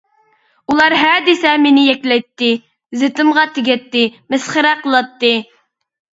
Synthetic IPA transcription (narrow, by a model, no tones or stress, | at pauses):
ulˠɑɾɦɛd̪ɪsɛmenɪjɛkʲlɛjt̪ːɪ | zɪt̪ɨmʁɑt̪ʰɪɡʲɛt̪ːɪmɪsχəɾɛqʰəlˠɑt̪ːɨ